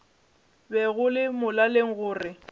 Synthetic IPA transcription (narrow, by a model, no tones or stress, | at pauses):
bɛɣʊlɪmʊlaleŋ̩ɣʊːrɪ